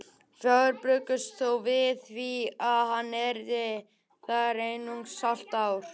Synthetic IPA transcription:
fœɣʏɾpɾʏːkʏst̪θowvɪθθviaðɦanːɛɾðɪ | θaðɛɾejnuŋsal̥t̪aːwɾ̥

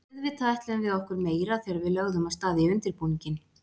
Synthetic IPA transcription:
ðvɪt̪ʰajht̪lʏʏmvɪðɔhkʏɾmeːjɾaθɛːɾaɾvɪðlœɣðʏmaðst̪aːðɪiʏnt̪ɪɾpuɲcɪn

